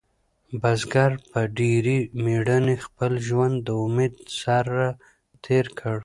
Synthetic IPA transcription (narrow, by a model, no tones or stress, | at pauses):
bazɡaɾpəɖeɾimeɽənexpəlʒwand̪ːəʊmed̪saɾːa | t̪ʰeɾkʰəɽ